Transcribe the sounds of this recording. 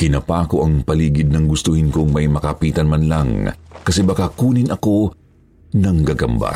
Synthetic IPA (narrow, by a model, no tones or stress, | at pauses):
kɪnɐpaːkoʔɐŋpɐliːɡɪd̪̚nɐŋɡʊst̪ʊhɪnkʊŋmɐjmɐkɐpiːt̪ɐnmɐnlɐŋkɐsɛbɐkakuːnɪnɐko̞ | nɐŋɡɐɡɐmba̰